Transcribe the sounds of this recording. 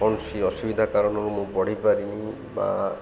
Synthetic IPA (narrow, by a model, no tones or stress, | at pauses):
ɔnsiɔsubid̪ʱakaɾɔnɔɾumũpɔɽ̤ipaɾini | ba̰